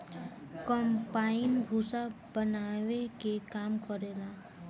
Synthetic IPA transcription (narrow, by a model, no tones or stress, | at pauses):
kɔmpainbʱusabənawekekamkɔɾela